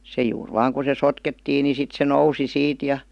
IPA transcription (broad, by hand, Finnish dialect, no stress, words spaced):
se juːr ʋɑːŋ ku se sotketːiːn ni sit se nousi siːt jɑ